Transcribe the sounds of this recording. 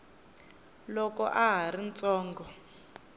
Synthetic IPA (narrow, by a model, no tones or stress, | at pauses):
lɔkɔ̰ʔaɦaɾint͡sɔːŋɡɔ